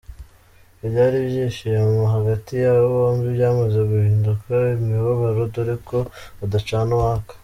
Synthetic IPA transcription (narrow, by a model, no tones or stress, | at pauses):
ibjaːɾiβjeʃejemoɦaɡatijaβoβomɡibjaːmazeɡuhiːndukʰaimiβaβaɾodoɾikʰo̞adat͡ʃaːnowaːkḁ